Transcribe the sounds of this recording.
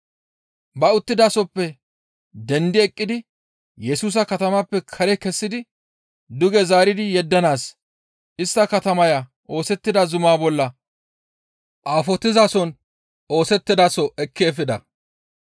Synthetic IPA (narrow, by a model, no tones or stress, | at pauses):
bɐʊt̪ːɪd̪aːsɔpːɛ | d̪ɛnd̪ɪɛkʼːɪd̪ɪ | jɛsuːs̬ɐkɐt̪ɐmɐpːɛkʰɐɾɛkɛsːɪd̪ɪ | d̪ʊɡɛzaːɾɪd̪ɪjɛd̪ːɐnaːs | ʔɪst̪ːɐkɐt̪ɐmɐja | ʔo̞ːsɛt̪ːɪd̪ɐzʊmaːbɔlːɐ | ʔaːfɔt̪ːɪzasɔn | o̞ːsɛt̪ːɪd̪aːsɔʔɛkːeːfɪd̪ɐ